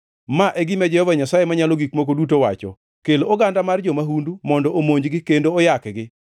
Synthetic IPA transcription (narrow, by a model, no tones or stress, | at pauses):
maʔeɡimɛd͡ʒɛhɔvaɲasajemaɲaloɡikmok̬odutowa̰t͡ʃɔ̰ | kelooɡandamard͡ʒɔmaɦundumɔndɔʔomoɲd͡ʒɡɪkendoːjakɡɪ